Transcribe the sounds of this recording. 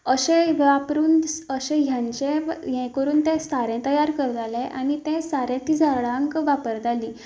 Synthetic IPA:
əɕẽapɾuːnəɕɛ̃ɦjãɲt͡ɕẽjɛ̃kəɾuːnt̪ẽsaɾɛ̃t̪əjaɾkəɾd͡z̪alẽʔaɽ̃it̪ɛ̃saɾɛ̃t̪id͡zʱaɭãŋkʋapəɾd͡z̪ʱaliː

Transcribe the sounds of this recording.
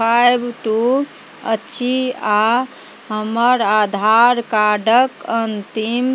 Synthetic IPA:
ajbt̪u | ə̰tːʃʰia | ɦəməɾad̪ʱaɾkaɖəkənt̪im

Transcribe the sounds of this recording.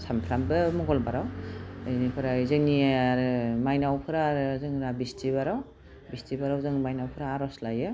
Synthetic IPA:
sampʰɾambɯmɔɡɔlbaɾawɯjnipʰɯɾazɯŋniɾɯmajnawpʰɯɾaɾzɯŋɾabistiβaɾaw | bistʰibaɾawzɯŋmajnawpʰɯɾaːɾɔslajɯ

